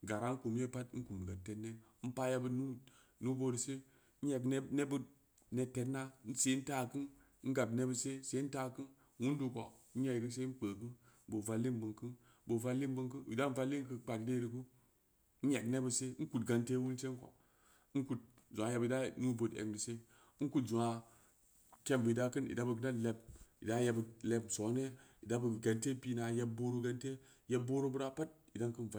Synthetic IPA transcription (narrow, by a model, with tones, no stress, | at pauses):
ɡa˨ɾa˦ŋ˦ku˨mje˦pa˦tŋ̩˦ku˨m˨ɡa˨tːe˨tnːe˦ | m̩˦pa˦ja˧bə˨nu˦ | nu˦bo˧dɨ˨se˦ | n̩˦e˨kne˦bə˦ | ne˨tːe˨˦tna˦n̩˦se˨˦n̩˦ta˦kɨ˦n˦ | n̩˦ɡa˨bne˦bə˨se˦se˨˦ta˦kɨ˦n | wu˦n˦du˨˧ko̰˨˦n̩˦ja˨kɨ˦s̬e˦n̩˦k͡pəː˨kɨ˦nbo˨va˧lːi˦m˦bɨ˨ŋkɨ˦n˦ | bo˨va˧lːi˦m˦bɨ˧˦ŋkɨ˦˨ḭ˨da˦n̩˦va˦lːi˦ŋkɨ˧k͡pa˨tde˦dɨ˨ku˦ | n̩˦e˨kne˦bə˨se˦n̩˦ku˨tɡa˨nte˦wu˦nse˦n˦ko̰˨˦ | n˦ku˦t̚ | zu˨a˨je˧bi˨da˦nu˦bo˨tḛ˨kdɨ˨se˦ | ku˦tzu˨a˨ | ke˦mbɨ˨i˨da˦kɨ˦nḭ˨da˦bə˨ɡɨ˨da˦tle˨b̚i˨da˦je˧ble˨bso˨˦ne˦i˨da˦bə˨ɡa˨nte˦pi˦na˨je˦b̚bo˦ɾu˦ɡa˦nte˦ | je˦bo˦ɾu˦bɨ˦ɾa˦pa˦t̚i˨da˦ŋkɨ˦nv